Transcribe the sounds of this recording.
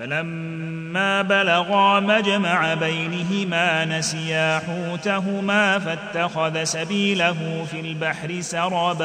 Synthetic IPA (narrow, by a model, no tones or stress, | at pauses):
falamː | aːbalaɣaːmad͡ʒamaʕabajnɪɦɪmaːnasɪjaːħuːt̪aɦʊmaːfat̪ːaxaðasabiːlaɦufilbaħɾɪsɑɾˤɑːba